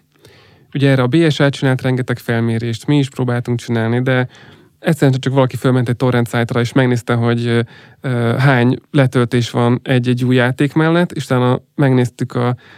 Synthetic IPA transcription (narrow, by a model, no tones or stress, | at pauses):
uɟɛɛːrɛɒbeːɛʃaːt̪̚t͡ʃinaːlt̪rɛŋɡɛt̪ɛkfɛlmeːɾeːʃt̪miːʃproːbaːlt̪uŋk̚t͡ʃinaːlnid̪ɛ | ɛt̪sɛɾɛnt͡ʃɛt͡ʃɒkʋɒlɒkifølmɛnt̪ɛc̚ʲt̪o̞rɾɛnt̪saːjt̪rɒeːʃmɛɡneːst̪ɛɦo̞ɟ | ɦaːɲlɛt̪ølt̪eːʃʋɒnɛɟːɛɟːuːjːaːt̪eːkmɛlːɛt̪ːeːʃut̪aːnɒmɛɡneːst̪ykɒ